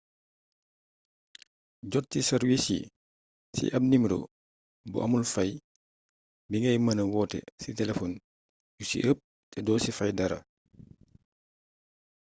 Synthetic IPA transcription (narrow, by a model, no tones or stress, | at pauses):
ɟɔtːisɐɾwisḭ | sḭʔɐb̚nimɾo̰ | bṵʔɐmulfɐj | biŋɐjmɐnɐwɔːtɛ̰sitɛlɛfɔn | jusḭʔəp̚ | tɛdɔːsifɐjdɐɾɐ̰